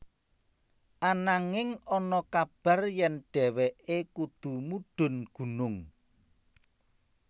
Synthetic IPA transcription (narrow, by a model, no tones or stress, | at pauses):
ʔanaŋɪŋɔnɔkab̥a̤rjɛnɖ̥ɛ̤wɛʔekud̪̥ṳmuɖ̥ʊ̤nɡ̥ṳnʊŋ